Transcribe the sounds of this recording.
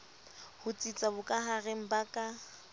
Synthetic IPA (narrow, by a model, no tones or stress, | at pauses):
hʊt͡sʼit͡sʼabʊkʼaɦaɣeŋ̩bakʼa